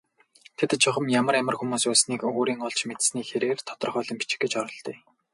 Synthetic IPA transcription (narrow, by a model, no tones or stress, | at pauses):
t̪ʰet̪t͡ɕʰʊχə̆mjamə̆rjamə̆rxumuːsuːsniːkɵɣoːɾiːŋʊɮt͡ɕmet̪sniːxeɾeːrt̪ʰɔ̥t̪ɞ̆rχœːɮɞ̆mpi̥t͡ɕɪ̥̆ɡĕt͡ɕɔɾɞ̆ɮt̪iː